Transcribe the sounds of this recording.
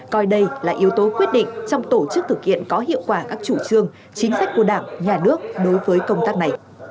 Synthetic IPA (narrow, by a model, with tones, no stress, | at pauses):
kɔ˧jɗə˧jlaː˨˩ʔi˨˦əwt̪o˨˦kwi˦˥ət̚ɗḭ˧˨ŋ̟t͡ɕɔ˧wŋ͡mt̪o˧˩t͡ɕɨ˦˥k̚t̪ʰɨ˨˩k̚hḭ˧˨ənkɔ˨˦ɦḭ˧˨əwkwaː˧˩kaː˦˥k̚t͡ɕu˧˩t͡ɕɨ˧əŋ | t͡ɕï˨˦ŋ̟sa˦˥k̟ku˧˩əɗaː˧˩ŋɲaː˨˩nɨ˦˥ək̚ɗo˨˦jvəː˨˦jkə˧wŋ͡mt̪aː˦˥k̚na˨˩j